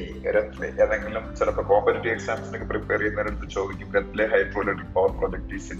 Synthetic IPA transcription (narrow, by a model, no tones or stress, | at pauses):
ɾɐt̪ːilḛʔeneŋɡilumt͡ɕilɐpːɐkoːpɐliʈːieksaːmsinokːɨpriperijunːɐeɽut̪ːɨt͡ɕo̞ːd̪ikʲːumɾɐt̪ːileɦɐjʈroːleɽipːoʋɐprod͡ʑɐk̚ʈisin